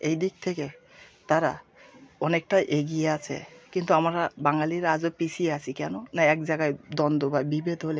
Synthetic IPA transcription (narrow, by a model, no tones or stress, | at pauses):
ejd̪ik̚t̪ʰeke | t̪aɾa̰ | ɔnek̚ʈaʔeɡijeat͡ɕʰḛkint̪uamaɾabaŋaliɾad͡ʑopisʰieat͡ɕʰikɛnonaɛk̚d͡ʑaɡajd̪ɔnd̪obabibed̪ʱɦole